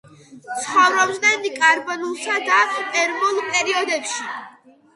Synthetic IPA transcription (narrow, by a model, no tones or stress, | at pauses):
sχɔvɾɔbznɛnikʼaɾbɔnulˠsad̪aɛɾmulˠpʼɛɾiɔd̪ɛpʃi